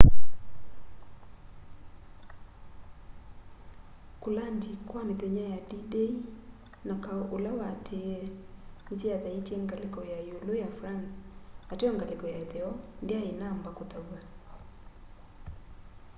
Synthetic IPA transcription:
kolandikwaneðɛɲajadidei | nakaolawatʰe | ntiaðaiteŋɡalekɔjajolojafɾansateɔŋɡalekɔjaeðɛɔndeaenambakotawa

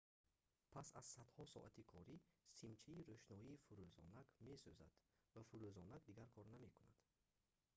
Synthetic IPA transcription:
pʰasaz̥sad̪hɔsɔ̰ʔat̪ʰikʰɔɾisimt͡ʃʰiiɾøʃnɔiːfuɾøzɔ̰naɡme̞søza̰d̪̥vafuɾøzɔnaɡd̪iɡaɾkʰɔɾname̞kunad̪̥

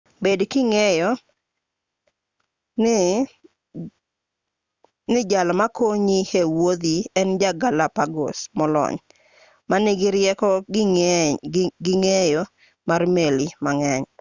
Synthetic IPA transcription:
bedkɪŋɛjɔ | nɪ | nɪd͡ʒalmakoɲihewod̪iɛnd͡ʒaɡalapaɡo̰smɔlɔ̰ɲ | manɪɡɪɾjɛkɔ | ɡɪŋɛjɔ | marmelimaŋɛɲ

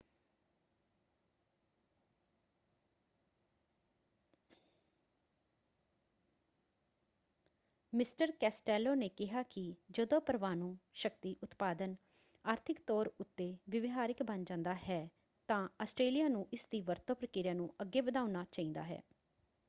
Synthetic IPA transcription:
mɪsʈəɾkɛːsʈɛːlːoːneːkɪɦaːkɪd͡ʒəd̪õːpəɾʋaːnũːʃək̚t̪iːʔʊt̪paːd̪ən | aːɾt̪ʰɪkt̪ɔːɾʊt̪ːeːʋəʋɪɦaːɾɪkbənd͡ʒãːnd̪aːɦɛː | t̪ãːəsʈɾeːlijaːnũːʔɪsd̪iːʋəɾt̪õːpɾəkɪɾjaːnũːəɡːeːbəd̪aːʊnaːt͡ʃaːĩːnd̪a̰ːɦɛ̰ː

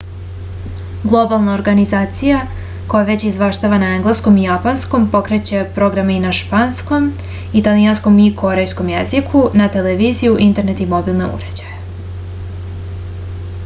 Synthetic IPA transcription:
ɡlˠo̞balˠnao̞ɾɡanizaːt̪sija | ko̞jaʋet͡ɕizʋaʃt̪aʋanaeŋɡlˠesko̞mijapansko̞mpo̞kɾe̞t͡ɕe̞pɾo̞ɡɾameinaʃpansko̞m | it̪alijansko̞mikʰo̞ɾe̞jsko̞mjezikʰunat̪eleʋizijuʔint̪e̞ɾne̞t̪imo̞bilˠnḛṵɾe̞d͡ʑaje

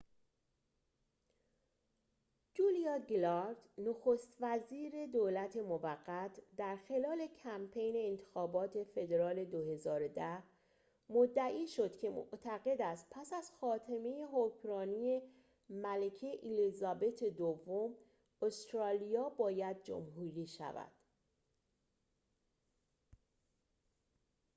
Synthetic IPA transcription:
d͡ʒulijɒːɡlɒɾd̪noxost̪væziːɾe̞d̪oːlæt̪ʰe̞movæɡːæt̪ʰd̪æɾxe̞lɒːle̞cʰæmpʰe̞jne̞ːnt̪ʰexɒːbɒːt̪ʰe̞fe̞d̪eɾɒːle̞d̪ohe̞zɒːɾod̪æh | mod̪ːæʔiːʃo̞d̪̥cʰe̞mo̰ʔt̪ʰæɣe̞d̪æst̪̚pʰæsæz̥xɒːt̪ʰeme̞jeɦocʰɾɒːnije̞ | mælecʰeʔilizɒbe̞t̪ʰed̪ovːom | ost̪ɾɒːlijɒːbɒːjæd̪̚d͡ʒo̰mɦuːɾiːʃæ̰væ̰d̪̥

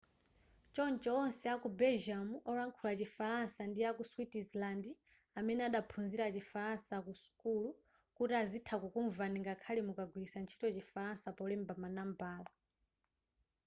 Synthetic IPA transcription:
t͡ʃɔnt͡ʃɔːnsɛakubɛlʒamuʔɔɾaŋkʰulat͡ʃifaɾansandiakuswitizlandi | amɛnɛaɗapʰunziɾat͡ʃifaɾansakusu̥kulu | kutiazitʰakukuɱvaniŋɡakʰalimukaɡwilisant͡ʃʰi̥tɔt͡ʃifaɾansapɔlɛmbamanambaːla

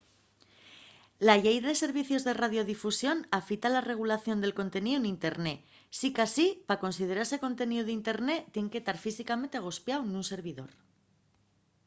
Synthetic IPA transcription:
laʎejðaðe̞se̞ɾβiθjo̞zðe̞raðjo̞ðifusjo̞nafit̪alare̞ɣ̞ulaθjo̞nd̪e̞lko̞nt̪e̞niðunint̪e̞ɾne̞ | sikasipako̞nsið̞e̞ɾase̞ko̞nt̪e̞niðuðint̪e̞ɾne̞t̪ːje̞ŋke̞t̪aɾfisikame̞nt̪eɣ̞ospjawnunse̞ɾβ̞iðo̞̰ɾ

